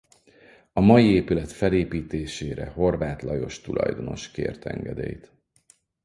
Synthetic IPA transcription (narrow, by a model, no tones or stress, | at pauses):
ɒmɒjieːpylɛt̪fɛleːpiːt̪eːʃeːɾɛ̰ho̞rvaːt̪lɒjo̞ʃt̪ulʔɒ̰jd̪o̞no̞ʃkḛːrt̪ɛ̰ŋɡɛd̪ḛːjt̪